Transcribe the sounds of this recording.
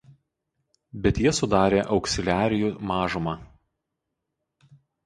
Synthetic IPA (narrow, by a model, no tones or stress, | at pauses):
bʲɛt̪jiɛsʊd̪ɑːɾʲeːʔɒʊksʲɪlʲæːɾʲɪjuːˑmɑːʒʊmɑː